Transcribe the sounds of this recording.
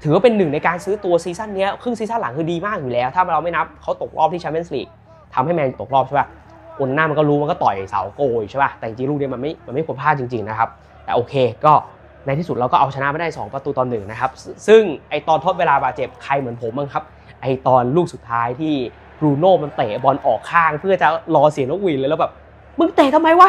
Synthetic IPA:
t̪ʰɯː˩˦waː˥˩pe˧nːɯ˨˩ŋna˧jkaː˧nsɯː˦˥t̪u˧ɐsiː˧˦˥sa˥˩nːi˦˥ɐkʰɾɯ˥˩ŋsiː˦sa˥˩˨la˩˦ŋkʰɯː˧diː˧maː˥˩k̚juː˨˩lɛː˦˥wt̪ʰa˥˩ma˧ɾa˧ma˥˩jna˦˥p̚kʰa˦˥wt̪o˨˩k̚ɾʔɔ̰ː˥˩p̚t̪ʰiː˥˩aː˧me˦˥nslḭː˨˩k̚ | t̪ʰa˧mha˥˩jmɛː˧nu˨˩t̪o˨˩k̚ɾɔː˥˩pt͡ɕʰa˥˩ba˥˩ | ʔo˧na˧naː˥˩m˧nkɔː˥˩ɾuː˦waː˥˧nkɔː˥˩t̪ɔ˨˩jsa̰˩˦wkoː˧jʰa˥˩ba˦˥t̪ɛː˨˩t͡ɕi˧ŋt͡ɕi˧ŋɾuː˥˩ni˦˥ma˧nma˥˩jma˧nma˥˩jkʰo˧npʰaː˥˩t͡ɕi˧ŋt͡ɕi˧ŋna˦˥kʰa˦˥p̚ | t̪ɛː˨˩ʔoː˧kʰeː˧kɔː˥˩ | na˧jt̪ʰiː˥˩su˨˩ɾa˧wkɔː˥˩ʔa˧wt͡ɕʰa˧na˦˥ma˧˥˦da˥˩˨sɔ̰ː˩˦ŋpɾa˧t̪uː˧t̪ɔː˧nːɯ˨˩ŋna˦˥kʰa˦˥p̚sɯ˥˩ŋʔa˧jt̪ɔː˧nt̪ʰo˦˥t̪̚weː˧laː˧baː˨˩t̪̚t͡ɕe˨˩p̚kʰa˧jmɯ˨˩˦ənpʰo˨˩˦mːaː˧ŋkʰa˦˥p̚ | ʔa˧jt̪ɔː˧nluː˥˩k̚su˨˩t̪ʰːaː˦˥jt̪ʰiː˥˩ | ɾuː˧noː˥˩ma˧nt̪eː˨˩bɔ˧nʔɔː˨˩kʰːaː˥˩ŋpʰɯ˥˩ɐt͡ɕa˨˩lɔː˧si˨˩˦nɔ˦˥k̚wiː˧˩nlːlɛː˦˥wbɛː˨˩p̚ | mɯ˧ŋt̪e˨˩t̪ʰa˧mːa˧jwaː˥˩

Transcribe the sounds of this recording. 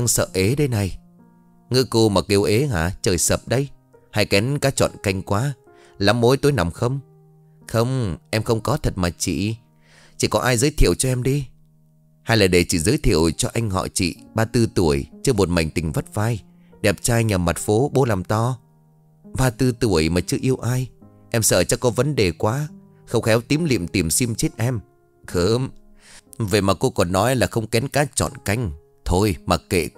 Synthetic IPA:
a˧ŋsə̰ː˧˨ʔe˨˦ɗə˧jna˨˩j | ŋɨ˧ko˧maː˨˩ki˧əwʔe˨˦ŋaː˧˩t͡ɕəː˨˩jsəː˨˩p̚ɗə˧j | ha̰˧jkɛ˨˦nkaː˨˦t͡ɕɔ̰˧˨nka˧jŋ̟kwaː˨˦ | laː˨˦mːo˨˦jt̪o˨˧˦jna˨˩wŋ͡mxə˧wŋ͡m | xə˧wŋ͡mʔɛ˧mxə˧wŋ͡mkɔ˨˦t̪ʰə˨˩t̚maː˨˩t͡ɕḭ˧˨ | t͡ɕi˧˩kɔ˨˦ʔaː˧jzəː˨˦jt̪ʰi˧˨əwt͡ɕɔ˧ʔɛ˧mɗi˧ | haː˧jlaː˨˩ɗe˧˩t͡ɕi˧˩zəː˨˦jt̪ʰḭ˧˩əwt͡ɕɔ˧ʔa˧jŋ̟hɔ̰˧˨t͡ɕḭ˧˨ɓaː˧t̪ɨ˧t̪u˧˩əjt͡ɕɨ˧əmo˨˩t̚ma̰˨˩jŋ̟t̪ï˨˩ŋ̟və˦˥t̚vaː˧j | ɗɛ˨˩p̚t͡ɕaː˧jɲa˨˩mːa˨˩t̚fo˨˦ɓo˧laː˨˩mt̪ɔ˧˩ | ɓaː˧t̪ɨ˧t̪u˧˩əjmaː˨˩t͡ɕɨ˧ʔi˧əwʔaː˧j | ʔɛ˧msəː˧˩t͡ɕɔ˧kɔ˨˦və˨˦nɗe˨˩kwaː˨˦ | xə˧wŋ͡mxɛ˨˦wt̪i˨˦əmlḭ˧˨əmt̪i˨˩msi˧mt͡ɕi˦˥t̚ʔɛ˧m | xəː˨˧˦m | ve˨˩maː˨˩ko˧kɔ˨˩nːɔ˨˦jlaː˨˩xə˧wŋ͡mkɛ˨˦nkaː˨˦t͡ɕɔ̰˧˨nka˧jŋ̟ | t̪ʰo˧jmaː˨˩kḛ˧˨

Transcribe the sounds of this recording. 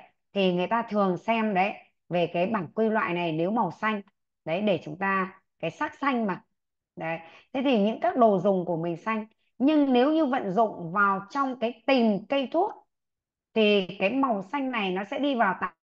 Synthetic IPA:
t̪ʰi˨˩ŋɨ˨˩əjt̪aː˧t̪ʰɨ˨˩əŋsɛ˧mɗə˨˦j | ve˨˩kaː˨˦jɓaː˧˩ŋkwi˧lwa̰ː˧˨jna˨˩jne˨˦wmə˨˩wsa˧jŋ̟ | ɗə˨˦jɗe˧˩t͡ɕʊ˨˦ŋ͡mt̪aː˧ | kaː˨˦jsaː˦˥k̚sa˧jŋ̟maː˨˩ | ɗə˨˦jt̪ʰe˨˦t̪ʰi˨˩ɲɨ̰˧˥ŋkaː˦˥k̚ɗo˨˩zʊ˨˩ŋ͡mku˧˩əmï˨˩ŋ̟sa˧jŋ̟ | ɲɨ˧ŋne˨˦wɲɨ˧və̰˧˨nzʊ̰˧˨ŋ͡mvaː˨˩wt͡ɕɔ˧wŋ͡mkaː˨˦jt̪i˨˩mkə˧jt̪ʰu˦˥ət̚ | t̪ʰi˨˩kaː˨˦jma˨˩wsa˧jŋ̟na˨˩jnɔ˨˦sɛ̰˧˥ɗi˧vaː˨˩wt̪a̰ː˧˨

